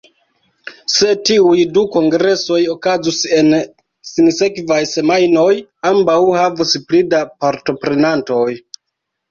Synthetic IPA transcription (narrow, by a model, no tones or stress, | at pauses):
se̞tiujduko̞ŋɡɾe̞so̞jo̞kazuse̞n | sinse̞kvajse̞majno̞jambawhavusplidapaɾto̞pɾe̞nanto̞j